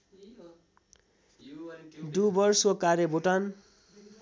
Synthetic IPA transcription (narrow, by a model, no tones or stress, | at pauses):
dubʌrsokaɾeboʈan